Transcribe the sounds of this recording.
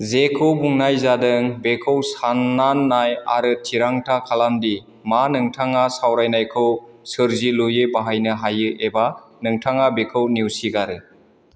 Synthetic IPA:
zekʰɯwbuŋnajzadɯŋbekʰɯwsanːanːaja̰ɾɯtʰiɾaŋtʰakʰalandi | manɯŋtʰaŋasawɾajnajkʰɯwsɯɾzilujebaɦajnɯɦajɯʔeba | nɯŋtʰaŋabekʰɯwniwsiɡaɾɯ

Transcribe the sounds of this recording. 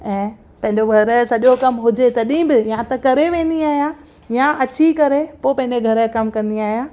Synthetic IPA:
ɛ̃ː | pɐ̃ɦɪ̃ɲ̆d͡ʑoɡʱɐɾsɐʄokɐmɦʊd͡ʑet̪ɐɗĩbɪjãt̪ɐkɐɾeʋẽːn̆d̪iaːɦija | jaʔɐt͡ɕikɐɾepoːpɐ̃ɦɪ̃ɲd͡ʑeɡʱɐɾəkɐmkɐ̃nd̪iaːɦijaː

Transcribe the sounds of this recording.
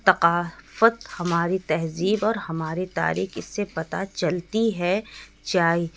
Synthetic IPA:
t̪ɐqaːfət̪hɐmaːɾit̪ɐɦziːbɔːɾhɐmaːɾit̪a̰ːɾḭːxɪsːepɐt̪a̰t͡ʃɐlt̪iɦɛ | d͡ʒaːiː

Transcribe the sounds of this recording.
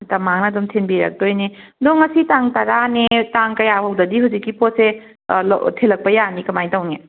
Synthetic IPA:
tɐmaŋnɐdɐmtʰenbiɾɐ̰k̚dojne | doŋːɐsitaŋtɐɾanetaŋkɐjahawdɐdiɦuzikːipose | l̰tʰelɐk̚pɐjanikɐmajtawŋe

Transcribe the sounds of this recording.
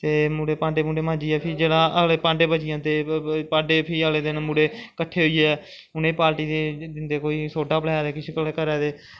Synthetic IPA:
t̪eːmuːɽeːpãːɳɖeːmuːɖeːmãːd͡ʒiːɛːpʰɪd͡ʒeːɽãːəɡleːpãːɳɖeːbət͡ʃɪjãːt̪eːpãːɖeːpʰɪəɡleːd̪ɪnmuːɽeːkəʈʰːeːɦoiːeɛː | ʊnẽːpaːɾʈiːd̪ed̪ɪnd̪eːkoːiːsoːɖaːpəlɛːjaːd̪eːkɪt͡ʃʰkəlːkəɾɛːd̪eː

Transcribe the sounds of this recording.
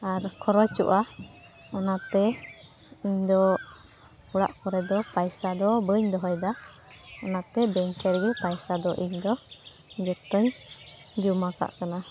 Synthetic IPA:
aɾkʰɔɾɔt͡ʃṵʔa | ɔnat̪ɛ | iɲd̪ɔ | uɽa̰ʔkɔɾɛd̪ɔpajsad̪ɔbəɲd̪ɔɦɔjd̪a | ɔnat̪ɛbɛŋkɛɾɡɛpajsad̪ɔʔiɲd̪ɔ | d͡ʒɔt̪ɔɲ | d͡ʒumaka̰ʔkana

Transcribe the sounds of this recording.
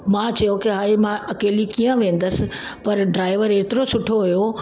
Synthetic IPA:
mãːt͡ɕɐjokɪɦaːimãɐkeːlikiːə̃ʋẽːn̆d̪əsɪ̆ | pɐɾɖɾaːɪʋəɾeːt̪ɪɾosʊʈʰoɦʊjo

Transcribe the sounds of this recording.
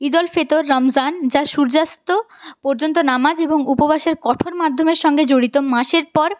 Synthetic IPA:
id̪ɔlfet̪oɾːɔmd͡ʑand͡ʑaʃuɾd͡ʑast̪o | pɔɾd͡ʑont̪onamad͡ʑeboŋupobʱaʃeɾkɔʈʰoɾmad̪ʱːomeɾʃɔŋɡed͡ʑoɽit̪omaʃeɾpɔɾ

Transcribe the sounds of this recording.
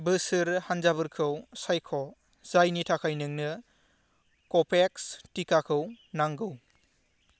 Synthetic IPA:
bɯsɯɾhanzaβɯɾkʰɯwsajkʰɔ | z̥ajnitʰakʰajnɯŋnɯ | kɔpʰekstikakʰɯw | naŋɡɯw

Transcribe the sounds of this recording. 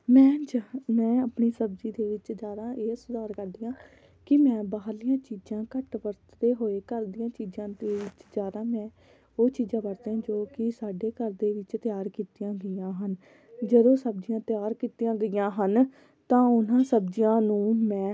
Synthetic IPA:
mɛ̃ːmɛ̃ːəpɳiːsəbd͡ʒiːd̪eːʋɪt͡ʃd͡ʒjaːd̪aːʔeːsʊd̪aːɾkəɾd̪ijãː | kɪmɛ̃ːbaːlɪjãːt͡ʃiːd͡ʒãːkəʈʋəɾt̪d̪eːɦoːeːkəɾd̪ijãːt͡ʃiːd͡ʒãːd̪eːʋɪt͡ʃd͡ʒjaːd̪aːmɛ̃ː | oːt͡ʃiːzãːbəɾt̪eãːd͡ʒoːkɪsaːɖeːkəɾd̪eːʋɪt͡ʃt̪ɪjaːɾkiːt̪ɪjãːɡəjãːɦən | d͡ʒəd̪õːsəb̚d͡ʒɪjãːt̪ɪjaːɾkiːt̪ijãːɡəjãːɦən | t̪ãːʊnãːsəbd͡ʒɪjãːnũːmɛ̃ː

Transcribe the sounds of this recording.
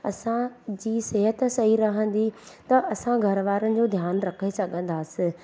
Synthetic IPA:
ɐsãd͡ʑiːseɦət̪sɐɦiɾɐɦə̃nd̪it̪ɐʔɐsãɡʱɐɾʋaːɾənɪ̆d͡ʑoːd̪ʱjaːnɾɐkʰesɐɠʱə̃nd̪aːsɪ

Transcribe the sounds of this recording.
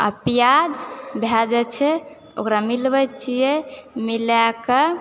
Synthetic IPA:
ə̰pjad͡ʒbʱjad͡ʒɛt͡ʃʰɛ | o̰kɾamilbət͡ʃijemilakə

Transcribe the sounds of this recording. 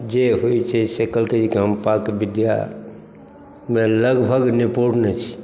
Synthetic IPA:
d͡ʒeɦojt͡ʃʰɛsekəlked͡ʒikiɦəmpakbid̪ja̰ | meləɡbʱəɡnipoɽnɛt͡ʃʰi̥

